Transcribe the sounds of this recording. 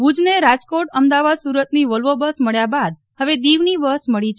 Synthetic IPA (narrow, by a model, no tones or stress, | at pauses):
bud͡ʒneɾad͡ʒkoʈəmd̪aʋad̪suɾət̪niʋəlʋobəsməɭjabad̪̚ | həʋed̪iʋniʋəsməɭit͡ʃʰ